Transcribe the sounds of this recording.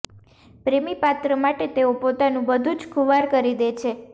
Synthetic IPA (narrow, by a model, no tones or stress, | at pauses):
pɾemipat̪ɾəmaʈet̪eopot̪anũbəd̪ʱũd͡ʒkʰuʋaɾkəɾid̪et͡ʃʰe